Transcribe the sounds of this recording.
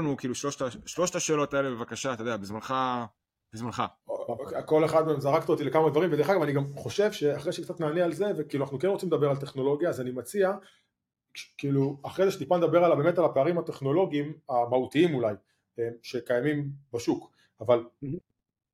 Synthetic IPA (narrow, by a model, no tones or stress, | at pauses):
nukiːluʃloʃt̪aʃloʃt̪aʃeːlo̞t̪aelebe̞vakaʃat̪od̪eabezmanχa | b̥ezmanχaoko̞le̞χad̪memzaʁakt̪aot̪ilekamad̪vaʁimvedeχaɡavaniɡamχo̞ʃe̞vʃe̞aχʁeʃekt͡sat̪naːnjealze̞vekiːlunaχnukenʁot͡simled̪be̞ʁalte̞χno̞lo̞ɡjazanimat͡sia | ʃkiːluaχʁezeʃet̪ipand̪abe̞ʁalabemet̪alapeaʁimat̪e̞χno̞lo̞ɡiimamaut̪iimulaj | emʃe̞kajamimbaʃuk | aval